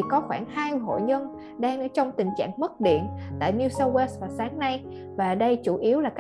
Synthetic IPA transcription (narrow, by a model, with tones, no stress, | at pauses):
kɔ˨˦xwaː˧˩nhaː˧jɦo̰˧˨ɲə˧n | ɗaː˧ŋə˧˥t͡ɕɔ˧wŋ͡mt̪ï˨˩ŋ̟t͡ɕa̰ː˧˨ŋmə˦˥t̚ɗḭ˧˨ənt̪a̰ː˧˨jni˧sə˧wwe˦˥st̚vaː˨˩wsaː˨˦ŋna˧j | vaː˨˩ɗə˧jt͡ɕu˧˩ʔi˨˦əwlaː˨˩k